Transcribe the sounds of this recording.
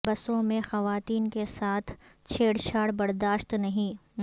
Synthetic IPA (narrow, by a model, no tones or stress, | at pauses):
bɐsõmẽxɐʋaːt̪iːnkesaːt̪ʰ | t͡ʃʰeːɽʃʰaːɽbɐɾd̪aːʃt̪nɐɦĩː